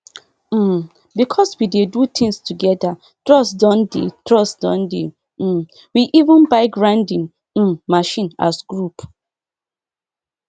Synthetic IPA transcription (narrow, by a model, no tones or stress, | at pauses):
m̩ | bikʰɔswidedut̪ʰĩŋstuɡɛda | tɹɔsdɔ̃ndḛtɹɔsdɔ̰̃ndḛ | m̩ | wiʔivə̃nbaɪɡɹãndĩŋ | m̩maʃĩna̰sɡɹup